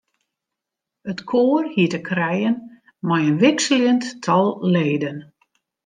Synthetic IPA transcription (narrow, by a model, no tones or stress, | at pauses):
ətkʰoːərhiətəkʰrɛjən | mɔjənʋɪksəlɪənttʰɔlˠleːdən